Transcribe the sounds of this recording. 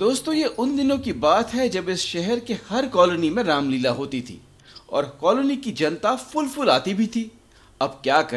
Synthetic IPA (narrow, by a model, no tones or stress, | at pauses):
d̪oːst̪õjeʔʊnd̪ɪnõkibaːt̪ɦɛd͡ʒɐbɪsʃɛɦɛɾkehɐɾkɔːlonimẽɾaːmliːlaɦoːt̪it̪ʰḭː | ɔ̰ːɾkɔːlonikid͡ʒɐnt̪afʊlfʊlaːt̪ibʱit̪ʰiː | ɐbkjaːkɐ